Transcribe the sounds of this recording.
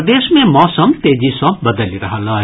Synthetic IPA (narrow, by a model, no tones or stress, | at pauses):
d̪eːʃmẽmɔːsəmt̪eːd͡ʒisɔ̃bɐd̪əliɾɐɦalaː